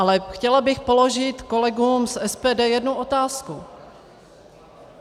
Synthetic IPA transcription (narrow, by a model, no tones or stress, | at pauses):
alɛxcɛlabɪxpo̞lo̞ʒɪt̪ko̞lɛɡuːmsʔɛspɛːdɛːjɛdnuʔo̞t̪aːsku